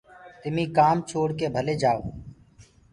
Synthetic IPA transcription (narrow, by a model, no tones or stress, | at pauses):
t̪ɪmĩːkaːmt͡ʃʰoːɽkeːbʱəleːd͡ʒaːo̰ː